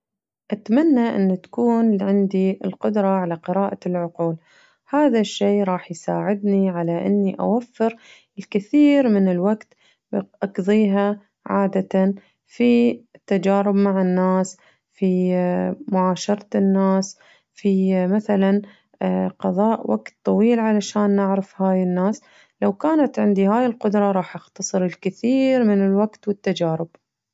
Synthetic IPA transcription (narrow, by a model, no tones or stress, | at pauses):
ʔat̪manːaʔɪ̰nːt̪ḁkuːnʕɪnd̪iɪlqʊd̪ɾˤɑʕalaqɨɾɑːʔalʕʊquːl | haːðaʃːeːʔɾˤɑːħjsaːʕɪd̪niʕalaʔɪ̰nːiʔa̰wafːɪɾ | ɪlkɪθiːɾmɪnɪlwaɡt̪ | ʔɑqðˤiːɦa | ʕaːd̪at̪a | fit̪ːad͡ʒaːɾɪbmaʕɪnːaːs | fi | mʊʕaːʃɑɾˤɑt̪nːaːs | fimaθalan | qɑðˤɑːʔwʔa̰ɡt̪ˤːɑwiːlʕalaʃaːnːɪʕɾɪfhaːjɪnːaːs | lawkaːnat̪ʕɪnd̪ihaːjɪlqʊd̪ɾˤɑɾˤɑːħʔaxt̪ɑsˤɨɾɪlkɪθiːɾmɪnɪlwaɡt̪wɪt̪ːad͡ʒaːɾɪb̥